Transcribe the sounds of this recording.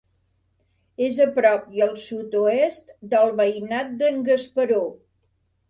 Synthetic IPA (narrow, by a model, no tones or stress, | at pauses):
ezəpɾɔp̚jəlˠsut̪oest̪d̪əlˠβəjnat̪̚d̪əŋɡəspəɾo